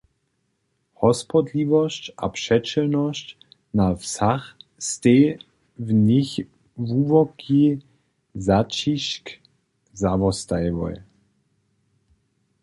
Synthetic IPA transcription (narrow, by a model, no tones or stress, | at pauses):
hɔspɔd̪livɔsca̰pʂɛt͡ʃɛlnɔʃc | nafsaxst̪ɛ | vnɪx | vuvɔki | zat͡ʃiʃk | zavɔst̪ajvɔ̰j